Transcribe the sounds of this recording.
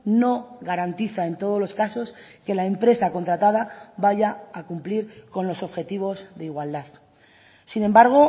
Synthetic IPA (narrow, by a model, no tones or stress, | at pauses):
no̞ɣaɾant̪iθae̞nt̪o̞ðo̞zlo̞skaso̞ske̞lae̞mpɾe̞sako̞nt̪ɾat̪að̞aβaʝaːkumpliɾko̞nlo̞so̞βxe̞t̪iβ̞o̞zðeiɣwald̪að | sinẽ̞mbaɾɣ̞o̞